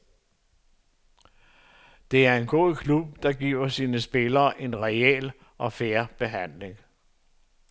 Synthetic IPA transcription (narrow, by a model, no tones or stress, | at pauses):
d̥e̝æɐe̝nɡ̥o̝̰ðˠkʰlub̥̚d̥ɑ̈ɡ̥ḭːʊ̰ɐsiːnəsb̥e̝lɐːʔe̝nʁɛḛl | ʔɒ̽feɐb̥e̝ɦæn̰le̝ŋ